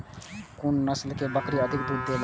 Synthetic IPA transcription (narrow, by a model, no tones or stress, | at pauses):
kʊnːəslkebəkɾiəd̪ʱɪk̚d̪uːd̪ːel